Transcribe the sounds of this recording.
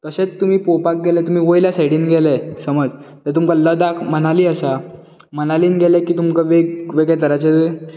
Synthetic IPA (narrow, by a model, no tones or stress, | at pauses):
kəsẽt͡st̪um̤iːpopak̚ɡelɛt̪um̤iːʋojljasajɽiːnɡelesəməd͡zt̪ət̪̬umkələd̪akʰm̤ənaliːəsa | m̤ənaliːnɡʱelekiːt̪umkaʋeɡʋeɡɭɛt̪əɾat͡ɕed̪e